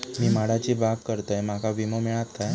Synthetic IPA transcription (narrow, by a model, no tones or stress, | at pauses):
miːmaɽat͡ɕibap̚kəɾt̪əjmakaʋiməmiɭat̪̚kaj